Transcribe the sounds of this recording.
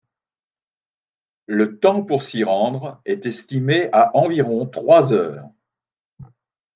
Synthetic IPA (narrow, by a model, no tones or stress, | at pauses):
lət̪ɑ̃puʁsiʁɑ̃d̪ʁɛt̪ɛst̪imeʔaʔɑ̃viʁɔ̃t̪χwazœːʁ